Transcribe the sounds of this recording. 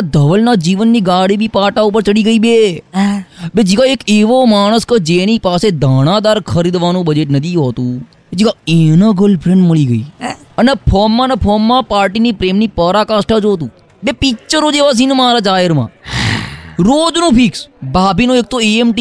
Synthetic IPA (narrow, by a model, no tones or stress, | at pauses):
d̪ʱəʋəlnad͡ʒiʋənːiɡaɽibipaʈaup̬əɾt͡ʃəɽiɡəibe | bed͡ʒiʋaeːkeʋomaɽ̃əskəd͡ʒenipased̪ʱaɽ̃ãd̪aɾkʰəɾid̪ʋanũbəd͡ʒeʈnət̪iɦot̪ũ | ed͡ʒiʋaenəɡəlpʰɾẽɳɖməɭiɡəi | ənepʰɔmːãnepʰɔmːãpaːɾʈinipɾemnipəɾakasʈad͡ʒot̪̬ũː | bepikt͡ʃəɾõd͡ʒeʋas̬inmaɾad͡ʒaɦəɾmã̰ | ɾod͡ʒnũpʰiksbabʱinõek̚t̪ʰoeemʈi